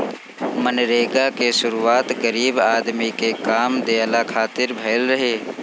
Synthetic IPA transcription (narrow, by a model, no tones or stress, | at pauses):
mənɾeːɡakesʊɾuaːt̪ɣəɾiːbaːd̪mikekaːmd̪eːlakʰaːt̪ɪɾbʱɐːlɾɐɦeː